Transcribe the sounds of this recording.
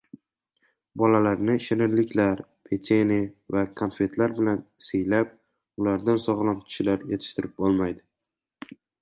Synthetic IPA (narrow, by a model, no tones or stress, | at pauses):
bɒlalaɾnɪʃɪnɪɾlɪkʲʰlaɾpʰet̪ʰenɪvakʰonfe̞t̪ʰlaɾbɪlansejlap̚ | ʊlaɾd̪ansɒʁlˠankʲʰɪ̥ʃɪlaɾjet̪ʰɪ̥ʃt̪ɪɾɪp̚olˠmajd̪ɪ